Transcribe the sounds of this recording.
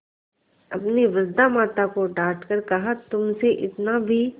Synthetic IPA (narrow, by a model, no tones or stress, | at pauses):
ɐ̰pneʋɐɾd̪amaːt̪akoɖaːʈkəɾkɐɦat̪ʊmseʔɪt̪nabʱi